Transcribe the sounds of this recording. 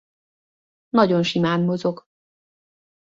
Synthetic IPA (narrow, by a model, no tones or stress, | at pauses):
nɒɟo̞nʃimaːnmozo̞ɡ